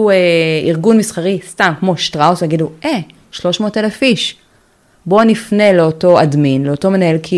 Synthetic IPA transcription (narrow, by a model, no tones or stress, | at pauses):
eiʁɡunmisχaʁistamkmo̞ʃtʁawsaɡiduʔe | ʃlo̞ʃmo̞ːtelafiʃ | bo̞nifne̞le̞oto̞adminle̞oto̞me̞nae̞lkʰi